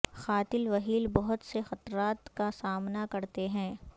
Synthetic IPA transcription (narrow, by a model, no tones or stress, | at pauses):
xaːt̪ɪlʋɐɦiːlbɐɦʊt̪sexɐt̪ɾaːt̪kasaːmnakɐɾt̪eɦɛ̃ː